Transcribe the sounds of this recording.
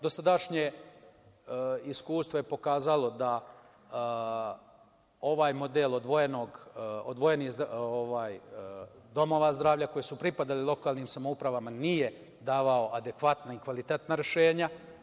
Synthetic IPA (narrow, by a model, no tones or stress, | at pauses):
d̪o̞sad̪aʃɲe | iskuːst̪ʋo̞jepo̞kaːzalo̞d̪a | o̞ʋaːjmo̞d̪elˠod̪ʋojenoɡod̪ʋo̞jenizoʋaːj | d̪o̞mo̞ʋazd̪ɾaːʋʎako̞jesupɾipad̪alilˠo̞kaːlˠniːmsamoupɾaʋamanije | d̪aːʋao̞ʔad̪ekʋat̪naikʋalit̪et̪naɾe̞ʃe̞ːɲa